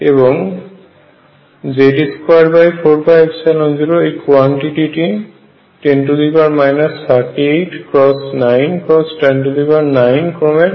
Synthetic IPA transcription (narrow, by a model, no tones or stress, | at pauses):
ebɔŋ | zediskajɖbajpʰoɹpʰajbsalɔnziɾɔejkwaɳʈiʈiʈi | ʈenʈud̪ibaɹmajnast̪ʰaɹʈiejʈʰkɹɔsnajnkɹɔsʈenʈud̪ibaɹnajnkɹɔmɛ